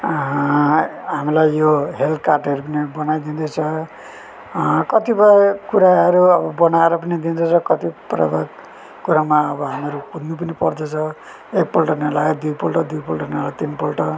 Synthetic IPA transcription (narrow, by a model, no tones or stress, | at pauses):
ɦamilajːoɦelkarʈʌɾupʌnibʌnajd̪ind̪et͡sʰʌ | kʌt̪ibʌkuɾaɦʌɾuʌbʌbʌnaeɾʌpʌnid̪ind̪et͡sʰʌkʌt̪iprʌ̰bʱak | kuɾamaʌbʌɦameɾukunːupʌnipʌrd̪et͡sʰʌ | ek̚polʈʌnelaed̪ujpolʈʌd̪ujpolʈʌnelat̪inpolʈʌ